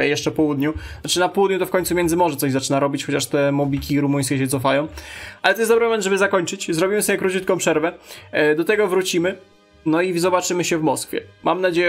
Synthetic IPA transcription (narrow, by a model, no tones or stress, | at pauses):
ɛjɛʂt͡ʂɛpɔwud̪ɲuat͡ʂɘnapɔwud̪̚ɲut̪ɔfkɔɲʲtsuvmʲjɛnd̪zɘmɔʐɛt̪ɔʑzat͡ʂɘnaɾɔbʲit͡ɕxɔt͡ɕaʂt̪ɛmɔbʲikʲiɾumuj̃skʲɛɕ̬ɛt̪sɔfajɔ̃w̃ʔalɛt̪ɔjɛsd̪ɔbɾɨmɔmɛnd̪ʐɛbɘzakɔɲt͡ʂɘt͡ɕzɾɔbʲimɘsɔbʲjɛkɾut͡ɕut̪̚kɔw̃pʂɛɾvɛd̪ɔt̪ɛɡɔvɾut͡ɕimɘ | nɔizɔbat͡ʂɘmɘɕɛvmɔskfʲjɛ̰mʔamnad͡ʑejɛ